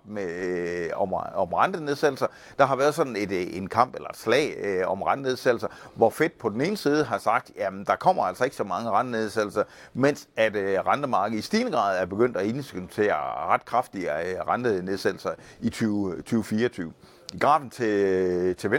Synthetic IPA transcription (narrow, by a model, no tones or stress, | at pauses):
me | ɒɒ̽mʁɑnd̥əne̝ð̞ˠsed̥l̩sɐ | d̥ɑ̈ɦɑ̈ʋæːɐð̞ˠsɒ̽d̥n̩e̝d̥e̝nkʰɑ̈m̰b̥elɐe̝d̥slɛ̰ːɪɒ̽mʁɑnd̥ne̝ðˠsed̥l̩sɐʋɒfe̝d̥̚pʰɒ̽d̥ene̝ːnəsiːð̞ˠəɦɑ̈sɑ̈ɡ̥̚d̥jæmd̥ɑ̈kʰɒ̽m̰ɐæl̰sɒ̽e̝ɡ̥əsɒ̽mɑ̈ŋəʁɑndəne̝ð̞ˠsed̥l̩sɐ | men̰sæd̥ʁɑnd̥əmɑ̈ːɡ̥ð̩ˠisd̥iːnəɡ̥ʁɑ̰̈ːð̞̩ˠæɐb̥e̝ɡ̥øn̰d̥æe̝nsɡ̥yt͡sʰe̝̰ːɐʁɑ̈d̥kʰʁɑfd̥iəʁɑnd̥əne̝ð̞ˠsed̥l̩sɐit͡sʰyt͡sʰyːʊfiːɐt͡sʰyːʊ | ɡ̥ʁɑ̰̈ːb̥n̩t͡sʰe̝t͡sʰe̝ʋe